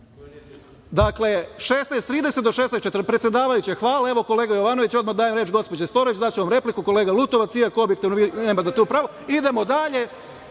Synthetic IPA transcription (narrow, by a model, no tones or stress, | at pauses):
d̪akle̞ʃeːsnejst̪ɾiːd̪e̞set̪d̪oʃesest͡ʃet̪ɾpɾet̪sjed̪aːʋajut͡ɕexʋaːlˠae̞ʋo̞ko̞le̞ːɡajo̞ʋano̞ʋit͡ɕo̞d̪mad̪aːjemɾeːt͡ʃɡo̞spo̞d͡ʑest̪o̞ɾoʋit͡ɕd̪at͡ɕeʋamɾeplikuko̞le̞ːɡalut̪o̞ʋat̪sijakoobjekt̪iʋnoʋineːmad̪at̪uːpɾaːʋoid̪e̞mo̞d̪aʎe̞